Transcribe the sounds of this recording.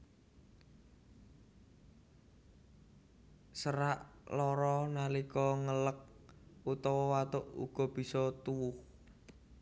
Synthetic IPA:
səɾaʔlɔɾɔnalikɔŋələk̚ut̪ɔwɔwat̪oʔṵɡ̥ɔ̤b̥i̤sɔt̪uwʊh

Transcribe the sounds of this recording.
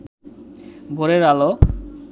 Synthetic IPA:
boɾeɾalo

